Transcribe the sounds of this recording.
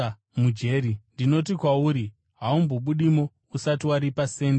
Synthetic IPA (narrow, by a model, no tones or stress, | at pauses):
mud͡ʒe̞ːɾindino̞tikwauːɾi | ɦaumboɓuɗimo̞ | usatiwaɾipase̞ːnd